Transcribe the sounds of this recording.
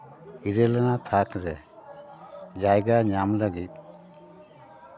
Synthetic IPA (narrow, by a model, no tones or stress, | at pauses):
iɾɛlanat̪ʰakɾɛ | d͡ʒajɡaɲamlaɡit̪̚